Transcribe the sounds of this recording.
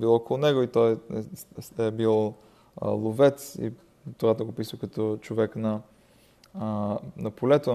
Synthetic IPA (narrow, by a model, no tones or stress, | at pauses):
bilˠɔkolˠʊnɛɡoit̪ɔj | ɛbil̰ˠ | lˠovɛt̪sḭ | t̪ovat̪oɡopisəkɐt̪ɔt͡ʃovɛknɐ | nɐpolɛt̪o